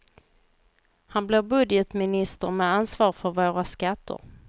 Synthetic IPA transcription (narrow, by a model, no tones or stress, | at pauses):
hanblevbɵd̪jət̪mɪnɪst̪əɾmɛansvɑːɾfœɾvoːɾaskat̪ʰːə̰ɾ